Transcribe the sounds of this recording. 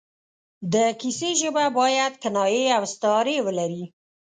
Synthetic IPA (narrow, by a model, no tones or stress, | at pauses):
d̪əkiseʒəbabɑjad̪kanɑjeawst̪ɑɾewəlaɾi